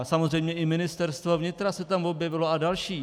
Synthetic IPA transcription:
samozr̝ɛjmɲɛʔɪmɪnɪst̪ɛɾst̪vovɲɪt̪ɾasɛt̪amvo̞bjɛvɪloadalʃiː

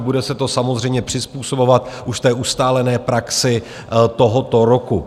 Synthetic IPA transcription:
budɛsɛt̪o̞samozr̝ɛjmɲɛpr̝̥ɪspuːso̞bo̞vat̪ʔuʃft̪ɛːʔust̪aːlɛnɛːpɾaksɪ | t̪oɦot̪o̞ɾoku

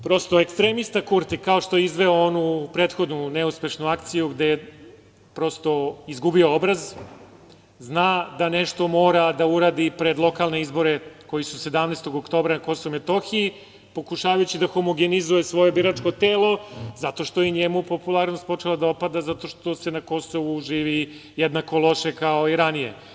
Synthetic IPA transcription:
pɾo̞st̪oekst̪ɾe̞mist̪akuɾt̪ikao̞ʃt̪o̞jeizʋeoonupɾet̪xo̞d̪nuneuspe̞ʃnuakt̪sijuɡd̪eje | pɾo̞st̪o̞izɡubio̞obɾaz | znaːd̪ane̞ʃt̪o̞mo̞ːɾad̪auɾaːd̪ipɾe̞d̪lˠo̞kalˠneizbo̞ɾeko̞jisuse̞d̪amnest̪o̞ɡokt̪o̞ːbɾanako̞soʋumet̪o̞xii | po̞kuʃaːʋajut͡ɕid̪axomoɡenizujesʋo̞jebiɾat͡ʂko̞t̪eːlˠo̞zat̪o̞ʃt̪ojeɲemupo̞pulˠaɾno̞st̪po̞t͡ʂelad̪aopad̪azat̪o̞ʃt̪o̞se̞nako̞so̞ʋuʒiːʋi | jed̪nako̞lˠo̞ʃe̞kaoiɾanijḛ

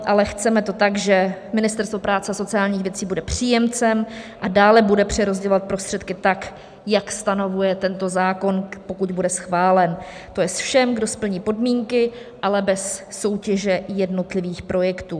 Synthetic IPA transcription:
ʔalɛxt͡sɛmɛt̪o̞t̪aɡʒɛmɪnɪst̪ɛɾst̪vopɾaːt͡sɛaso̞t͡sɪaːlɲiːxvjɛt͡siːbudɛpr̝̥iːjɛmt͡sɛmʔadaːlɛbudɛpr̥ɛɾo̞zɟɛlovat̪̚pɾo̞st̪r̝̥ɛt̪kɪt̪ak | jakst̪ano̞vujɛt̪ɛnt̪o̞zaːko̞npo̞kuɟ̪budɛsxvaːlɛn | t̪o̞jɛsfʃɛmɡdo̞spl̩ɲiːpo̞dmiːŋkɪ | ʔalɛbɛsːo̞wcɛʒɛjɛdno̞t̪lɪviːxpɾo̞jɛkt̪uː

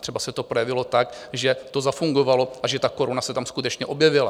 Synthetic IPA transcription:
t̪r̥ɛbasɛt̪o̞pɾo̞jɛvɪlot̪ak | ʒɛt̪o̞zafuŋɡo̞valo̞ʔaʒɛt̪ako̞ɾunasɛt̪amskut̪ɛt͡ʃɲɛʔo̞bjɛvɪla

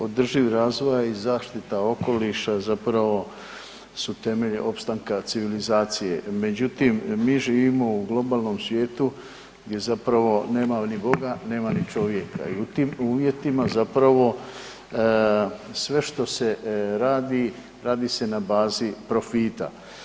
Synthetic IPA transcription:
o̞d̪r̩ʒiʋɾaːzʋo̞jaizaːʃt̪it̪ao̞ko̞liʃazapɾaʋo̞ | sut̪e̞me̞ʎiʔo̞pst̪aŋkat̪siʋilizaːt̪sije̞me̞d͡ʑut̪imːiːʒiːʋimo̞uɡlˠo̞baːlˠno̞msʋje̞ːt̪u | ɡd̪je̞zapɾaʋo̞ne̞ːmanibo̞ɡane̞ːmanit͡ʃo̞ʋje̞kʰa̰iut̪iːmuːʋje̞t̪imazapɾaʋo̞ | sʋe̞ʃt̪o̞se̞ɾaːd̪i | ɾaːd̪ise̞nabaːzipɾo̞fiːt̪a̰

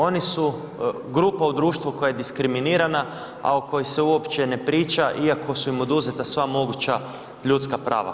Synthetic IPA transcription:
o̞nisu | ɡɾuːpaud̪ɾuːʃt̪ʋuko̞jaje̞d̪iskɾiminiːɾana | a̰uko̞jise̞uopt͡ʃe̞nepɾiːt͡ʃaʔiakʰo̞suimo̞d̪uzet̪asʋamo̞ɡut͡ʃa | ʎut̪skapɾʔa̰ːʋa̰

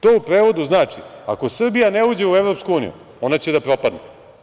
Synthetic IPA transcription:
t̪o̞ːupɾe̞ːʋo̞d̪uznaːt͡ʂia̰ko̞sr̩bijaneuːd͡ʑe̞uevɾo̞pskuuːnḭjṵ | o̞nat͡ɕe̞d̪apɾo̞pad̪nḛ

